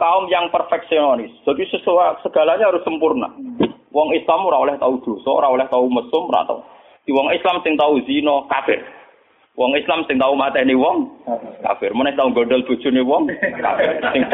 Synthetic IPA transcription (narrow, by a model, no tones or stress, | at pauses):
kaʊmjaŋpərfɛk̚siɔnɔnisd̪̥a̤t̪isəsoasəɡ̥a̤laɲaaɾʊsəmpʊrna̰ | wɔŋislamoɾaɔlɛht̪aud̪̥o̤sɔo̰ɾaɔlɛht̪auməsʊmɾa̰t̪a̰ | d̪̥iwɔŋislamsɪŋt̪auzinɔkafɪr | wɔŋislamsɪŋt̪aumat̪ɛniwɔŋka̰fɪrmənɛht̪auŋɡoɖɛld̪̥o̤d̥ʒ̥ʊ̤niwɔŋka̰fɪrsɪŋ